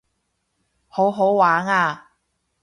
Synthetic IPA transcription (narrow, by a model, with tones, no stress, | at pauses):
ho˨˥wɦo˨˥wwaː˨˥ŋaː˧